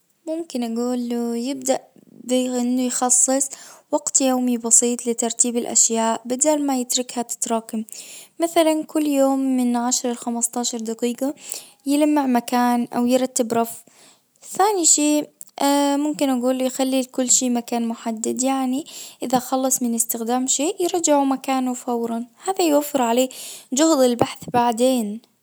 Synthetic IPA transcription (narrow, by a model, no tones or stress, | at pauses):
mʊmkɪnʔaɡuːlːujɪb̚d̪aʔbɪʔɪnːʊjxɑsˤːɨsˤwɑɡt̪joːmibɑsiːt̪ˤlɪt̪ɑɾˤt̪iːbɪlʔa̰ʃjaːʔbɪd̪aːlmajɪt̪ɾɪkhat̪ɪ̥t̪ɾˤɑːkɪmmaθalankʊlːjoːmːɪnʕaʃɾˤɪlxamɑst̪aːʃɑɾˤd̪aqiːqɑ | jɪlamːɪʕmakaːnʔa̰wjɪɾˤɑt̪ːɪbɾˤɑf | θaːniʃeːamʊmkɪnʔaɡuːljxalːikʊlːʃeːmakaːnmʊħad̪ːɪd̪jaʕniʔɪðaxɑlːɨsˤmɪnɪst̪ɪxd̪aːmʃeːʔjɪɾˤɑd͡ʒɪʕumakaːnufawɾˤɑnhaːðajwafːɪɾʕaleːd͡ʒʊhd̪ɪlbaħθbaʕd̪eːn